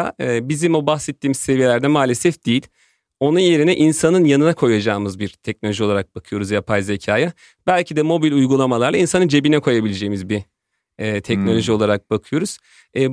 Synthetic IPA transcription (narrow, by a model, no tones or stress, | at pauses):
aːbizimobaxsɛt̪ʰːiːmizse̞vije̞lʲæɾd̪ɛmaːlʲesɛfd̪̥ijilʲ | o̞nunjeɾinɛʔinsanɯnjanɯnakʰo̞jad͡ʒaːmɯzbiɾt̪ʰɛc̚nolʲo̞ʒio̞lˠaɾak̚b̥akʰɯjo̞ɾuzjapʰajze̞cʰaːja | b̥ælʲcʰid̪ɛmo̞bilʲujɡulˠamalˠaɾlˠainsanɯnd͡ʒe̞binɛkʰo̞jabilʲed͡ʒejimizbi | ɛːt̪ʰɛcno̞lʲo̞ʒio̞lˠaɾak̚b̥akʰɯjo̞ɾuz̥ | ɛː